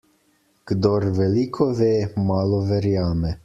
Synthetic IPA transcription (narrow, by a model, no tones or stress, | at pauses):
ɡ̥d̪ɔɾvelikʰovemaːlovɛɾjaːmɛ